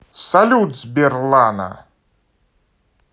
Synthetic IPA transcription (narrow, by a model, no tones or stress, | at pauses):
salʲud̪zʲbʲɛrlˠanɐ̰